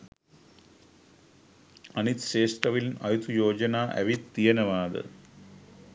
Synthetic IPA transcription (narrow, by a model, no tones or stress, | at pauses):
ɐnit̪ʃeːʂt̪ɾɐʋinɐjut̪ʰujoːd͡ʒɐnaːʔæ̰ʋit̪ːijenəʋaːd̪ə̰